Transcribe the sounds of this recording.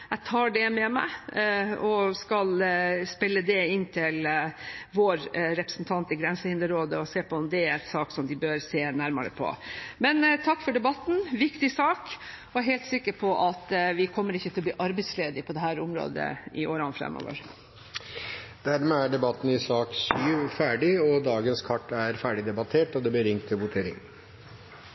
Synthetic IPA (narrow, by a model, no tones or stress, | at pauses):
æɪt̪ʰɑːɖɛmɛmæ̰ɪ | ɔskɑlspɪlːəd̪ɛɪnːt̪ʰɪl | ʋoːɾɾɛpɾə̥sn̩t̪ʰɑnt̪ɪɡɾɛnsəhɪnd̪əɾoːd̪əɔseːpʰɔɔmd̪ɛæɾɛnsɑːksɔmd̪ɪbøɾseːnæɾmɑ̰ɾə̰pʰɔ̰mɛnt̪ʰɑkːfɔɖɛbɑt̪n̩ʋɪkt̪ɪsɑːk | ɔæɦɛɪlt̪sɪkːəɾpʰɔʔɑt̪ʋɪkʰɔmːəɾɪçːət̪ʰɪlɔb̪iːʔɑɾbɛɪsleːd̪ɪpʰɔd̪ɛhæːɾʊmɾo̰ːd̪ə̰ɪʔoːɾɑnfɾɛ̰mːo̰ːʋə̰ɾ | d̪̥æɾmɛæɖɛbɑt̪ːn̩ɪsɑːksyːʋfæːɖɪɔd̪ɑːɡənskʰɑʈːæɾfæːɖɪd̪ɛbɑt̪ʰeːʈɔd̪ɛblɪɾɪŋt̪ʰːɪlʋʊt̪ʰeːɾɪ̰ŋ